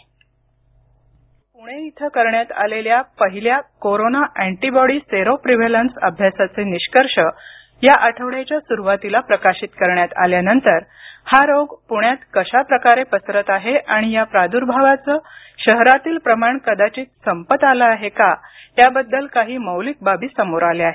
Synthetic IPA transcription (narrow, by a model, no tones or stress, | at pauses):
puɽ̃eit̪ʰəkəɾɳjat̪a̰leljapəɦiljakoɾonaʔæɳʈibɔɽiːseɾopɾiʋelənsə̰bʱjasat͡seniɕkəɾʂə | jaʔəʈʰəʋɽat͡ɕjasuɾuʋat̪ilapɾəkaɕit̪kəɾɳjat̪a̰ljanənt̪əɾhaɾoɡpuɽ̃jat̪kəɕapɾəkaɾepəsɾət̪aɦeʔaɽ̃ijapɾad̪uɾbʱaʋat͡səː | ɕəɦɾat̪iːlpɾəmaɳkəd̪at͡ɕiːt̪səmpət̪alaːɦeka | ɦjabəd̪ːəlkaɦiːməwlik̚babʱiːsəmoɾaleaɦe